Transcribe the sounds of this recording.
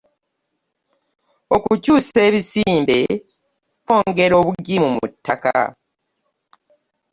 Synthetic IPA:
o̞kucuːse̞ːβisiːmbe̞ | o̞ːŋɡe̞ɾo̞ːβuɡimumutːaka̰

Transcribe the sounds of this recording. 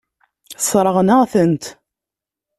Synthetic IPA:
sˤɾˤəʁnəʁθənt̪

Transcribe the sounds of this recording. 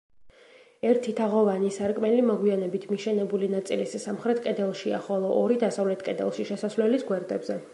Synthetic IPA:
ɛɾt̪ʰit̪ʰaʁɔvanisaɾkʼmɛlimɔɡwianɛbit̪ʰmiʃɛnɛbulinat̪sʼilissamχɾɛt̪ʰkʼɛd̪ɛlˠʃia̰χɔlˠɔʔːɾid̪asavlɛt̪ʰkʼɛd̪ɛ̰lˠʃiʃɛsasvlɛlisɡwɛɾd̪ɛbzɛ

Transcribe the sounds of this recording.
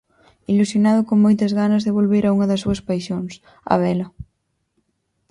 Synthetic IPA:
ilusjonaðʊkoŋmojt̪ɐzɣanɐzðeβolβeɾauŋɐðesuɐspajʃoŋs | a̰β̞ɛlɐ

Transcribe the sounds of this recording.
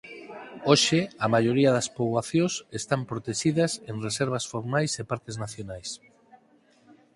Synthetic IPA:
oʃeamaʎoɾiaðɐspoβwaθjõsest̪ampɾot̪eʃiðɐseŋreseɾβ̞ɐsfoɾmajsepaɾkeznaθjonajs

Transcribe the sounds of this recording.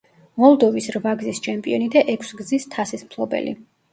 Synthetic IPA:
mɔlˠd̪ɔvisɾvaɡzist͡ʃʰɛmpʼiɔnid̪aʔɛkʰsɡzist̪ʰasismpʰlˠɔbɛ̰lḭ

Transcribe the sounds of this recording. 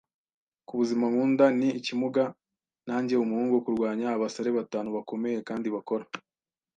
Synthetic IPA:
kuβuzimamuːndaniːcimuɡa | naːɲɟe̞umuhuːŋɡuokuɾɡwaːɲaːβasaɾe̞βataːnuβako̞me̞je̞kaːndiβako̞ɾa

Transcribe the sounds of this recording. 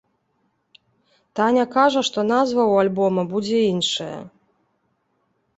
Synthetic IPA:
t̪anʲɐkaʐɐʂt̪ɔnazvɐwalʲbɔmɐbud͡zʲɛinʂɐjɐ̰

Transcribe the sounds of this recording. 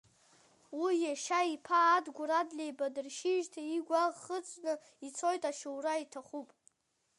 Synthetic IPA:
wijaʃaipʰaːdɡʷuɾadlʲejbadɨrʃiʒtʰaiɡʷaʁχət͡sʷʼnɨ | it͡sʰo̞jtʼaʃuwraitʰaχupʼ

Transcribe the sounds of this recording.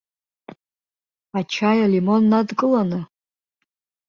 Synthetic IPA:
at͡ʃʰajalimo̞nːadkʼɨlanɨ

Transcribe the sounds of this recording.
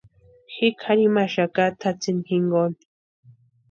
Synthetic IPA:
xikʰaɾimaʃakat̪ʰat͡sinxiŋɡon

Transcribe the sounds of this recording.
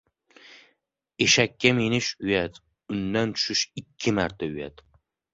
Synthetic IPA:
eʃakʲʰːamenɪʃʊjat̪ | ʊnːant̪ʰʊ̥ʃɪʃɪkʲʰːɪmaɾt̪ʰaʊja̰t̪

